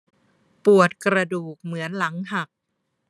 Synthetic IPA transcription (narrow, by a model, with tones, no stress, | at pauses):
pu˨˩ət̪̚kɾa˧duː˨˩k̚mɯ˩˦ənla˩˦ŋɦa˨˩k̚